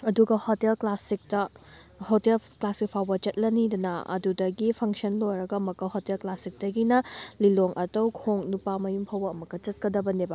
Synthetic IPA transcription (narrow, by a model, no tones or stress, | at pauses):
ɐduɡɐhotelklasik̚tɐhotelklasik̚pʰawbɐt͡ʃɐt̚lɐnidɐnɐɐ̰dudɐɡipʰɐŋsɐnlojɾɐɡɐmɐkːɐhotelklasik̚dɐɡinɐliloŋʔɐtɐwkʰoŋnupamɐjumpʰɐwbɐːmɐkːɐt͡ʃɐt̚kɐdɐbɐnebɐ